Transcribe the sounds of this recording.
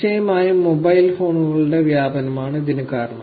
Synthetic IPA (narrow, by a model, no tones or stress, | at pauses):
t͡ɕɐjɐmaːjumːobɐjilfo̞ːɳuɣɐɭuɽe̞ʋjaːbɐnɐmaːɳɨd̪inɐkaːrɳɐ